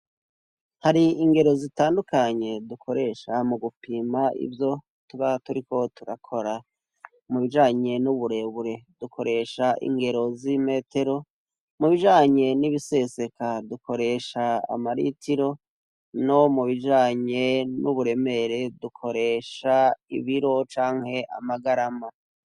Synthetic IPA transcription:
haɾiiŋɡe̞ɾo̞zitaːndukaɲe̞dukʰo̞ɾe̞ʃamuɡupiːmaḭvjo̞ | tuβatuɾiko̞tuɾakʰo̞ɾa | muβiʒaːɲe̞nuβuɾe̞βuɾe̞dukʰo̞ɾe̞ːʃaʔḭŋɡe̞ɾo̞zime̞ːte̞ɾo̞ | muβiʒaːɲe̞niβise̞se̞kaduko̞ɾe̞ʃaa̰maɾḭtiɾo̞ | no̞muβiʒaːɲe̞nuβuɾe̞me̞ɾe̞dukʰo̞ɾe̞ːʃaḭβiɾo̞t͡ʃaːŋhe̞ʔa̰maɡaɾama

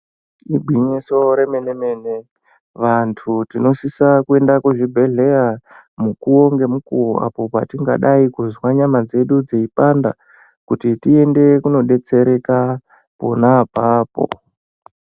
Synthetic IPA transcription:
iɡʱiɲiso̞ɾemeneme̞ːne | ʋantʰutino̞sisakue̞ndakwuʐibʱe̞ɮe̞ja | mukuo̞ŋɡe̞mukuro̰a̰po̞pa̰tiŋɡa̰ɗaikuzwaɲamad͡ze̞ɗud͡zeipanda̰ | kutitie̞nde̞kuno̞ɗe̞t͡se̞ɾe̞ka | po̞̰napaːpo̞̰

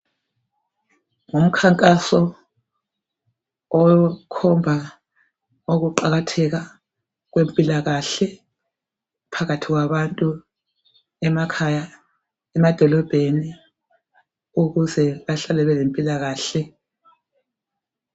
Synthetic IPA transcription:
ŋum̩kʰaŋkʼasɔ | ɔkʰɔmbʱa | oɣuǃaɣatʰɛɣa | ɣwempʼilaɣaɬɛ | pʰaɣatʰiɣwaβantʼu | ɛmakʰaja | ɛmad̥ʱɔlɔb̥ʱeni | uɣuzɛβaɬalɛβɛlempʼilaɣaːɬɛ

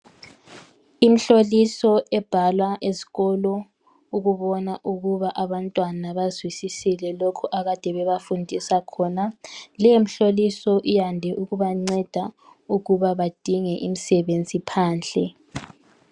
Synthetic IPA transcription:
im̩ɬolisɔʔɛb̥ʱalwaʔesi̥ɣɔlɔ | uɣuβɔnaʔuɣuβaʔaβantʼwanaβazwisisilɛlokʰuʔaɣad̥ʱɛβɛβafundʱisakʰɔnalɛjem̩ɬolisɔʔijandʱɛʔuɣuβaŋ͡ǀɛd̥ʱa | uɣuβaβad̥ʱiŋɛʔim̩sɛβend͡zʱipʰaːnɬɛ

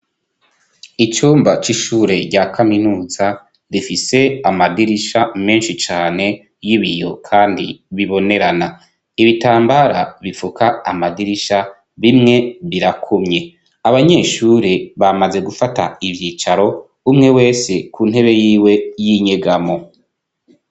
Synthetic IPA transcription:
it͡ʃuːmbat͡ʃiʃuːɾe̞ɟakʰaminuːza | difise̞amadiɾiʃame̞ːnʃit͡ʃaːne̞ | jiβijo̞̰kʰaːndḭβiβo̞ne̞ɾana | iβitaːmbaɾaβifukʰaːmadiɾiʃa | βimŋe̞βiɾakʰumɲe̞ | aβaɲe̞ʃuːɾe̞βamaze̞ɡufata̰ivjiːt͡ʃaɾo̞ | umŋe̞we̞ːse̞kuːnhe̞βe̞jiːwe̞jiɲeɡamo̞

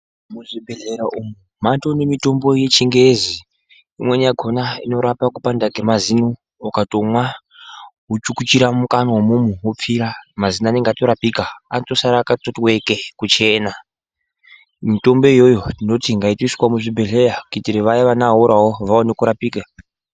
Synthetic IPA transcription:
muʐibʱeɮeɾaʔumu | matonemito̞mbo̞je̞t͡ʃiŋɡeziː | mwe̞naɡʱo̞naḭno̞ɾapakupandaɡʱemazinu | okatomwa | ɦut͡ʃukut͡ʃiɾamukanawomumuwop͡fiɾamazinane̞ŋɡatoɾapikaatosaɾakatotwe̞kekut͡ʃe̞ːna | mito̞mbo̞ijo̞jo̞dino̞tiŋɡaitiswamuʐibʱeɮe̞ɾakitiɾeʋajaʋanaɦuɾaɦoʋaonekuɾapiːka

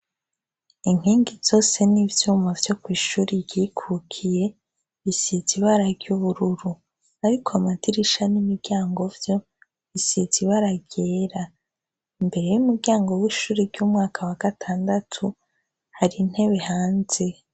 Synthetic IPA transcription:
iŋ̥hiːŋɡiz̥o̞ːse̞nivjuːmavjo̞kwiːʃuːɾiɾɟ̥iːkʰukʰije̞ | βisiziβaɾaɾɟuβuɾuɾu | aɾikʰoamadiɾiʃanimiɾɡaːŋɡo̞vjo̞ | βisiziβaɾaɟe̞ːɾa | imbe̞ɾe̞jumuɾɡɟaːŋɡo̞wiːʃuːɾiɾɟuːmŋaːkʰawaɡ̥atʰaːndatʰu | haɾin̥he̞βe̞haːnze̞

